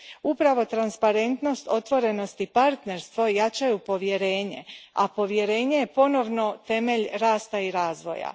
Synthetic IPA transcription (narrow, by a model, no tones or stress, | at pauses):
upɾaʋo̞t̪ɾanspaɾe̞nt̪no̞st̪o̞t̪ʋo̞ɾe̞no̞st̪ipaɾt̪ne̞ɾst̪ʋo̞jat͡ʃajupo̞ʋje̞ɾe̞ːɲe̞̰apo̞ʋje̞ɾe̞ːɲe̞je̞po̞no̞ʋno̞t̪e̞me̞ʎɾaːst̪aiɾaːzʋo̞̰ja̰